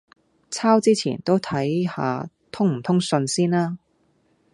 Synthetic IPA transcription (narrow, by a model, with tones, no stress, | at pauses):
t͡sʰaː˥wt͡siː˥t͡sʰḭː˨˩nt̪o˥wt̪ʰɐ˨˥jha̰ː˧ | t̪ʰʊ˥ŋm̩˨˩t̪ʰʊ˥ŋsɵ˧nsiː˥naː˥